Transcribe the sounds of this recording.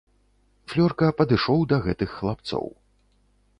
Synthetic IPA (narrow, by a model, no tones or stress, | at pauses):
flʲɔrkɐpɐd̪ɨʂɔwd̪ɐɣɛt̪ɨxːlˠap̚t̪sɔ̰w